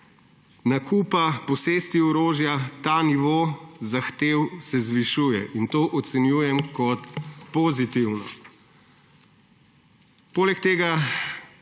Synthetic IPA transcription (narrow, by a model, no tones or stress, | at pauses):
nakupapɔseːst̪iɔɾoːʒjat̪aniʋoːzaxt̪eːwsɛzʋiʃuːjɛʔint̪oːʔɔt̪sɛnjuːjɛmkɔt̪poːzit̪iwnɔ | poːlɛkt̪eːɡa